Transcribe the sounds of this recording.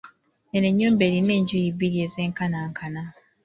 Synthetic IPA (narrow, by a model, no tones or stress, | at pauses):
eneɲoːmbeɾineːɲɟujibiɾiezeːŋkanaŋkʰana